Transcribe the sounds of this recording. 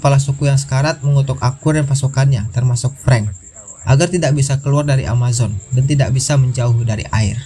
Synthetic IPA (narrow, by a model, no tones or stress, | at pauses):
palasukujaŋsə̥kaɾat̪̚məŋut̪ʊkakʊranpasukanɲat̪ərmasʊk̚pɾɛŋ | ʔaɡart̪idak̚bisakəluardaɾiʔa̰mazɔndant̪idaʔbisaməɲd͡ʒauhdaɾḭʔa̰ɪ̰r